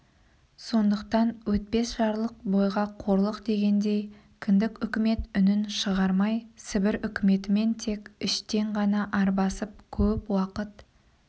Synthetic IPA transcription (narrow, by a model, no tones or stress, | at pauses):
so̞nd̪əqt̪ɑnwɵt̪̚pe̞sʒɑɾlˠəq̚bo̞jʁɑqʰo̞ɾlˠəqd̪e̞ɡʲe̞nd̪e̞j | kʲʰɪnd̪ɪkʲʏkʲɪme̞t̪ʏnɪnʃəʁɑɾmɑjsɪbɪɾʏkʲɪme̞t̪ɪme̞nt̪ʰe̞kʲɪʃt̪e̞ɴʁɑnɑʔɑɾbɑsəp̚kʲʰɵpwɑqət̪